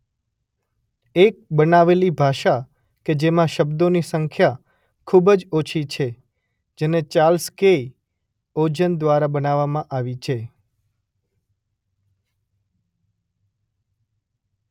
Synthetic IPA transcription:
ek̚bənaʋelibʱaʃa | ked͡ʒemãʃəbd̪onisəŋkʰja | kʰubd͡ʒot͡ʃʰit͡ʃʰe | d͡ʒenet͡ʃalskei | od͡ʒənd̪ʋaɾabənaʋːamãʔaʋit͡ʃʰe

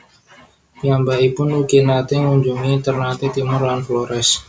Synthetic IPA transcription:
jambaipʊnukenat̪ɪŋuɲd͡ʒuŋiːnt̪ərnat̪it̪imʊrlanfloɾɛs

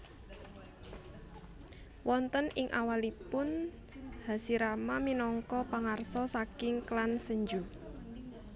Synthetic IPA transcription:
wɔnt̪ənɪŋʔa̰walipʊn | ha̤siɾamaminɔŋkɔpaŋarsɔsakɪŋklansəɲd͡ʒu

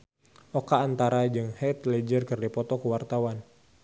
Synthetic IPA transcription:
ʔɔkaːnt̪aɾad͡ʒɨŋhɛt̪lɛd͡ʒərkɨrdipɔt̪ɔkuwart̪awan

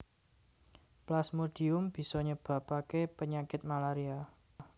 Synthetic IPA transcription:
plasmuɖ̥i̤ʊmb̥i̤sɔɲəb̥ä̤pakepəɲakɪt̪̚malaɾia

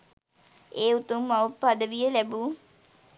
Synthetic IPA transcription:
eːut̪umːaupːad̪əʋijəlæbu

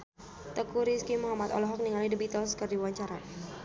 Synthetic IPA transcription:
t̪əkuɾiskimuɦamat̪ɔ̰lɔɦɔk̚niŋalidibit̪ɔlskərdiwaɲt͡ʃaɾa

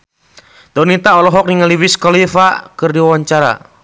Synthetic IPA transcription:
d̪ɔnit̪aɔlɔɦɔk̚niŋaliwiskɔlifakɨrdiwawaɲt͡ʃaɾa̰

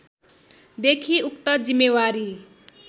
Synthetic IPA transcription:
d̪ekʰiukt̪ʌd͡zimːewaɾi

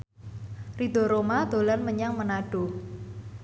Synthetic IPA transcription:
rid̪̥o̤ɾomad̪̥o̤lanməɲaŋmənaɖ̥o̤

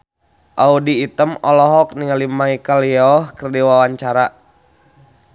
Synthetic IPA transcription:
ʔaudiːt̪əmɔlɔɦɔk̚niŋalimaikaliɔhkərdiwawaɲt͡ʃaɾa

